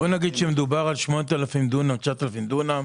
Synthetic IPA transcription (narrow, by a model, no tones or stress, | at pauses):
bonaɡid̪ʃemed̪ubaʁalʃmonet̪alafimd̪unamt͡ʃat̪alafimd̪una